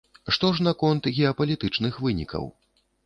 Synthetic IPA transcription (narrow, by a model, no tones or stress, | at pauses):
ʂt̪ɔʐnɐkɔnt̪ɣʲɛɐpɐlʲit̪ɨt͡ʂnɨxvɨnʲḭkʰɐ̰w